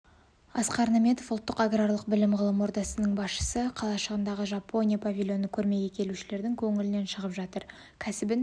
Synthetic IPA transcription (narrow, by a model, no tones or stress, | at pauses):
ɑsqɑɾnɑme̞t̪o̞fʊlˠt̪ːəqaɡraɾlˠəqbɪlɪmʁəlˠəmwo̞ɾd̪ɑsənəɴbɑsʃə̥səqʰɑlˠɑʃəʁənd̪ɑʁəʒɑpːo̞nʲijapʰavʲilʲjo̞nəkʲʰɵɾme̞ɡʲe̞kʲʰe̞luʃɪle̞ɾd̪ɪŋkʲʰɵŋɪlɪne̞nʃəʁəpʒɑt̪əɾ | kʲʰæsɪbɪn